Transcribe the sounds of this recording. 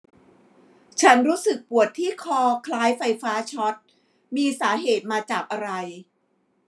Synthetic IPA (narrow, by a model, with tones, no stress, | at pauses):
t͡ɕʰa˦˥nɾuː˦˥sɯ˨˩k̚pu˨˩ət̪ʰːiː˥˩kʰɔː˧kʰlaː˦˥jfa˧jfaː˦˥t͡ɕʰɔ˦˥t̪̚ | miː˧saː˩˦ɦeː˨˩t̪̚maː˧t͡ɕaː˨˩k̚ʔa˧ɾa˧j